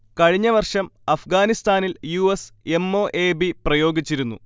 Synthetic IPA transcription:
kɐɻiɲːɐʋɐrʂɐmɐfɡaːnist̪aːniljuːese̞mːo̞ːʔe̞ːbiprɐjo̞ːɡit͡ɕːiɾunːṵ

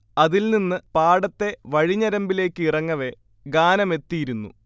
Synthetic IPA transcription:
ɐðilninːɨpaːɽɐt̪ːe̞ʋɐɻiɲːɐɾɐmbile̞ːkːɨirɐŋːɐʋe̞ | ɡaːnɐme̞t̪ːijiɾunːṵ

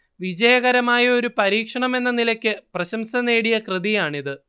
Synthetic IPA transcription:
ʋid͡ʑɐjɐɣɐɾɐmaːjɐoɾupɐɾiːkʂɐɳɐme̞nːɐnilɐkʲːɨprɐɕɐmsɐne̞ːɽijɐkrɨðijaːɳiðɨ

